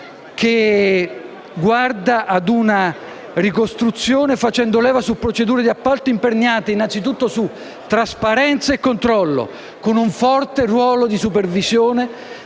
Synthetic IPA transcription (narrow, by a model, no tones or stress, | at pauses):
kʰe | ɡward̪aʔːd̪una | rikost̪ɾut̪sːjoːnefat͡ʃɛnd̪olɛːvasupːɾot͡ʃed̪uːɾed̪iapːalt̪oimperɲaːt̪einant̪sit̪̬ut̪ːosu | t̪ːɾaspaɾɛnt̪saekːont̪ɾɔlːo̰ | konuɱfɔrt̪erwɔːlod̪isupervizjoːne